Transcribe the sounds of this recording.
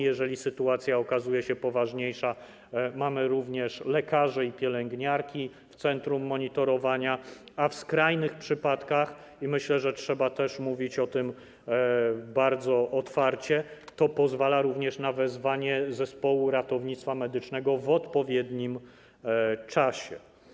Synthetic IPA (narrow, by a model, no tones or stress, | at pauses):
jɛʐɛlʲisɘt̪uat̪sʲjaɔkazujɛɕɛpɔvaʐɲejʂa | mamɘɾuvɲɛʂlɛkaʐɛipʲjɛlɛŋɡɲaɾkʲi | ft̪sɛnt̪ɾumːɔɲit̪ɔɾɔvaɲa | afskɾajnɘxpʂɘpat̪kax | imɘɕlɛʐɛtʂɛbat̪ɛʂmuvʲit͡ɕɔt̪ɘm | baɾd̪zɔʔɔt̪faɾt͡ɕɛt̪ɔpɔzvalaɾuvɲɛʂnavɛzvaɲɛzɛspɔwuɾat̪ɔvɲit̪st̪famɛd̪ɘt͡ʂnɛɡɔvɔt̪pɔvʲjɛd̪ɲim | t͡ʂaɕɛ